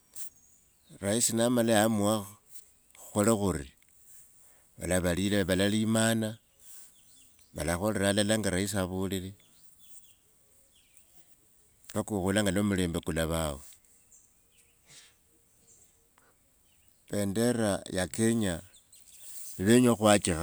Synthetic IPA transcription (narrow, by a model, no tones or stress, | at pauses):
raisinamalajamuwa | uxolaxuɾi | βa̰laβalileβalalimana | βa̰laxo̞leɾalalaŋɡaɾais̬aβuːlile | βakuxulaŋɡalomule̞ːmbekulaβawe | βende̞ɾajakeɲa | iβeɲoxwat͡ʃixa